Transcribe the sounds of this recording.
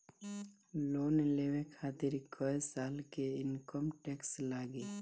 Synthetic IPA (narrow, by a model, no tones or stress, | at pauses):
loːnleːʋẽkʰaːt̪ɪɾkʰəesaːlkeɪnkəmʈɛkslaːɡeː